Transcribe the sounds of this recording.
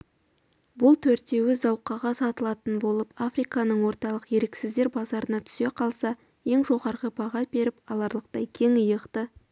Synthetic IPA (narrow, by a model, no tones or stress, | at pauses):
bʊlˠt̪ʰɵɾt̪e̞wɪzɑwqɑʁɑsɑt̪əlˠɑt̪ənbo̞lˠəpafrijkɑnəɴwo̞ɾt̪ɑlˠəqje̞ɾeksɪzd̪eɾbɑzɑɾənɑt̪ʰʏ̥se̞qʰɑlˠsɑ | je̞ŋʒo̞ʁɑɾʁəpʰɑʁɑt̪̚be̞ɾɪpɑlˠɑɾlˠəq̚t̪ɑjkʲʰe̞ŋəjəqt̪ə